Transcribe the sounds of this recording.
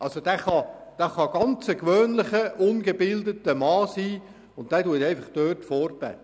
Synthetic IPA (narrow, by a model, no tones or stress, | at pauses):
ʔɑlsod̥æχɑd̪̥ɑχɑɡ̥ɑnt͡səkʋøːnlɪχəʔʊnɡəbɪldətəmɑːsiː | ʊnt̚d̥ætuətɛɪfɑχd̥øːrtfɔːrbɛ̰